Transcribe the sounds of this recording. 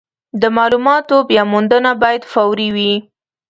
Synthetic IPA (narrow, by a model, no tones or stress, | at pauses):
d̪əmɑlumɑt̪objɑmund̪ənabɑjad̪fawɾiwi